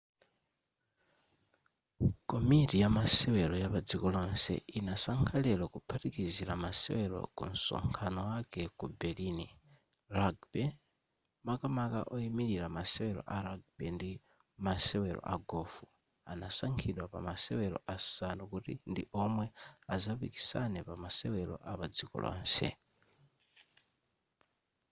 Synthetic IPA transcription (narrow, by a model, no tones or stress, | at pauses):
kɔmitijamasɛwɛɾɔjapad͡zikɔlɔnsɛ̰inasaŋkʰalɛlwakupʰatikiziɾamasɛ̰wɛɾɔ̰kṵn̩sɔ̰ŋkʰanɔwakɛkubɛɾini | ɾaɡbɛ | makamaka̰ʔɔimiɾiɾamasɛwɛɾɔ̰ʔaɾaɡ̚bɛndi | masɛwɛɾɔ̰ʔaɡɔfu | anasaŋkʰiɗwapa̰masɛwɛɾɔ̰ʔasanukutḭndiʔɔmwɛazapiki̥sanɛpamasɛwɛlɔ̰ʔaβad͡zikɔ̰lɔ̰ːnsɛ̰